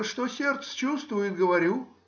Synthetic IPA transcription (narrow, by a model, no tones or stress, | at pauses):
ʂt̪osʲert̪sə̥t͡ɕust̪vʊjɪt̪̚ɡəvɐɾʲu